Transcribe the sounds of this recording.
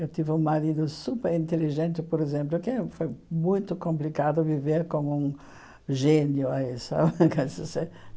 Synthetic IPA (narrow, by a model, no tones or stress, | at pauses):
ewt̪ivɪũŋmaɾid̪ʊsupeɾĩnt̪eliʒẽnt̪ɪpoɾezẽmplʊkɪɛfojmũj̃t̪ʊkõmplikad̪ʊviveɾkõŋũŋ | ʒenjʊaisa̰bkasɪse